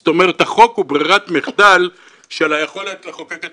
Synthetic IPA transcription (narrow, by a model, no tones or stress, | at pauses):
t̪o̞meʁet̪haχo̞kubʁiʁat̪miχd̪al | ʃelajeχo̞let̪leχokaka